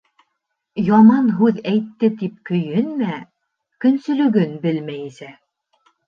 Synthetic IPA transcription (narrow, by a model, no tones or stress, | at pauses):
jɑmɑnɦʉðæjt̪ːɘt̪ip̚kɵ̆jhɘnmæ | kɵ̆nsɵ̆lɵ̆ɡɵnbɘlmæjisæ